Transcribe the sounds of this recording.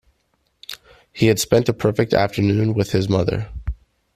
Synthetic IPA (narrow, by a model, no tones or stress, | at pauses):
hiɨd̥spɛ̃ntəpʰɜ˞fɪk̚tʰæ̰ftə˞nʉ̃nwɪð̥ɨzmʌðə̰˞